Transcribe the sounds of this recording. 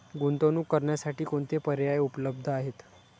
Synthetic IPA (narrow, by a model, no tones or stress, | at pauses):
ɡunt̪onuːkːəɾɳjasaʈiːkoɳt̪epəɾjajupləb̚d̪ʱəaɦet̪